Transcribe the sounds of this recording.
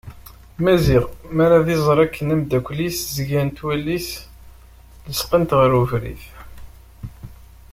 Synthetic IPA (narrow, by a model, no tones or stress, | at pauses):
mæziʁmæɾaðizˤɾˤækʰːənæmd̪ækʷːliszʝænt̪wælːis | ləsqənt̪ʁəɾuvɾḭθ